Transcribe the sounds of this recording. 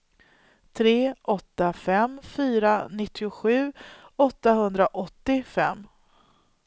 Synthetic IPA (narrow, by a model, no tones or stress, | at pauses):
t̪ʰɾeːʔɔt̪ːafɛmfyːɾanɪt̪ʰːɪʊɧʉ̟ːɔt̪ːaɦɵnd̪ɾaʔɔt̪ːɪfɛmː